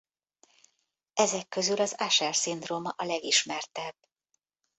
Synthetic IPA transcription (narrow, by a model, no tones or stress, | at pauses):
ɛzɛkːø̞zylɒzaʃɛrsind̪romɒʔɒlɛɡiʃmɛrt̪ɛb̥ː